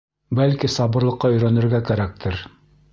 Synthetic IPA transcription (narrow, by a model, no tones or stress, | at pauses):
bælkisɑβɤ̆ɾlˠɤ̆qːɑɵ̆jɾænɘ̆ɾɡækæɾæk̚t̪ʰɘɾ